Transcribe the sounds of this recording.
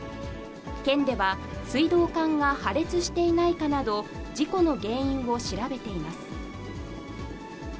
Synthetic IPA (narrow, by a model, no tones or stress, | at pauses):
kẽ̞nd̪e̞βasɨid̪o̞ːkãŋɡahaɾe̞t͡sɨɕi̥t̪e̞inaikanad̪o̞d͡ʑiko̞no̞ɡẽ̞ːĩɰ̃βo̞ɕiɾabe̞t̪e̞imasɨ̥